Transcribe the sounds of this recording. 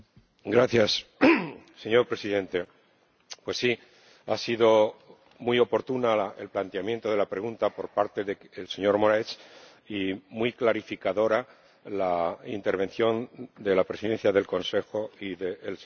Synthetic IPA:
ɡɾaθjas | se̞ɲo̞ɾpɾe̞siðẽ̞nt̪e̞ | pwe̞sːi | asiðo̞ | mujo̞po̞ɾt̪unaelplant̪eamjent̪o̞ð̞e̞lapɾe̞ɣunt̪apo̞ɾpaɾt̪e̞ðeelse̞ɲo̞ɾmo̞ɾaet͡ʃ | imujklaɾifikaðo̞ɾa | laint̪e̞ɾβ̞e̞nθjo̞nd̪e̞lapɾe̞siðe̞nθjaðe̞lko̞nse̞xo̞iðeel

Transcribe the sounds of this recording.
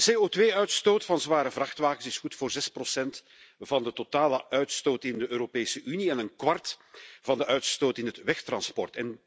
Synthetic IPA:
seːoːtʋeːœɥtstoːtfɑnzʋaːɾəvrɑxtʋaːɣənsɪsxutfoːrzɛsprosɛnt | vɑndətotaːləʔœɥtstoːtɪndəʔøːɾopeːsəʔyniɛnənkʋɑrtvɑndəʔœɥtstoːtɪnɦətʋɛxtrɑnspɔ̰rtɛn

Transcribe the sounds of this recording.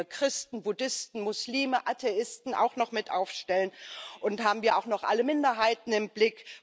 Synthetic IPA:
kʁ̥ɪstn̩bʊdɪstn̩mʊsliːməʔatʰeʔɪstn̩a̰ʊxnɔχmɪtʔa̰ʊfʃtɛlənʔʊnthaːbm̩viːɐaʊxnɔχʔa̰ləmɪndɐɦaɪtn̩ɪmblɪk

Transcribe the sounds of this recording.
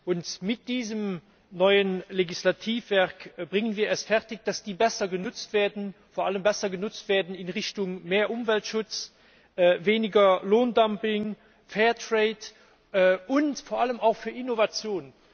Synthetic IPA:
ʔʊntmɪt̚d̥iːzəm | nɔʏənleɡislatʰiːfv̥ɛɐkbʁɪŋənviːɐɛstfɛʁtɪçd̥asd̥iːbɛsɐɡənʊt͡stv̥eːɐdn̩foːɐʔaləmbɛsɐɡənʊt͡stv̥eːɐdn̩ɪnʁɪʃtʊŋmeːɐʔʊmvɛltʃʊt͡s | ʔːveːnɪɡɐloːndampɪŋ | fɛːɐtʁeːt | ʔʔʊntfoːɐʔaləmaʊxfyːɐɪnovat͡sjoːn

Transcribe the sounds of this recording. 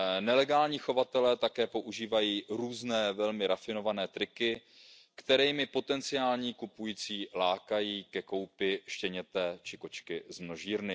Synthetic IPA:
nɛlɛɡaːlɲiːxo̞vat̪ɛlɛːt̪akɛːpo̞ʔuʒiːvajiːɾuːznɛːvɛlmɪɾafɪno̞vanɛːt̪ɾɪkɪ | kt̪ɛɾɛjmɪpo̞t̪ɛnt͡sɪaːlɲiːkupujiːt͡siːlaːkajiːkɛko̞wpɪʃcɛɲɛt̪ɛːt͡ʃɪko̞t͡ʃkɪzmno̞ʒiːɾnɪ

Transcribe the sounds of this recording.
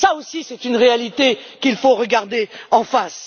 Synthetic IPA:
saosisɛt̪ynʁealit̪ekilfoʁəɡaʁd̪eɑ̃fas

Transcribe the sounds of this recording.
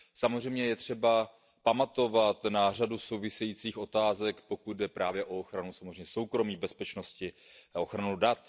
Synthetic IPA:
samozrɛjmɲɛjɛt̪r̝̥ɛba | pamat̪o̞vat̪nar̝aduso̞wvɪsɛjiːt͡siːxʔo̞t̪aːzɛkpo̞kud̪̚dɛpɾaːvjɛʔo̞oxɾanusamozreɛjmɲɛso̞wkɾo̞miːbɛspɛt͡ʃno̞scɪoxɾanudat̪

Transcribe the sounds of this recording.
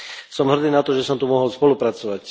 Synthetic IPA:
sɔmɦr̩d̪iːnat̪ɔʒɛsɔmt̪umɔɦɔlspɔlupɾat͡sɔʋac

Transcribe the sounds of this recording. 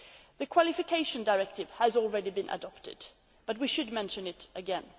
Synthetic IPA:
ðɨkʰw̥ɑlˠɨfɨkʰeɪʃɨ̃ndəɪɹɛk̚tɨv̥əzl̩ˠɹɛɾibɨ̃nʔə̰dɑptɨ̰d̥ | b̥ʌt̚wiʃɨd̚mɛ̃nʃɨ̃nɪɾʔɨɡɛ̃n

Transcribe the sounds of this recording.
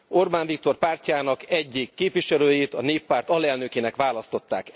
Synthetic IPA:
orbaːɱvik̚t̪o̞rpaːrcaːnɒkɛɟːikːeːpʋiʃɛløːjeːt̪ɒneːpːaːrt̪ɒlɛlnøkeːnɛkʋaːlɒst̪o̞t̪ːa̰ːk

